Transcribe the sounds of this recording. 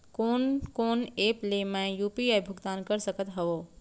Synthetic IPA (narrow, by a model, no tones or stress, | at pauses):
koːnkoːneːplemɛ̃juːpiajbʱʊɡt̪aːnkəɾsəkət̪ɦɐʋoː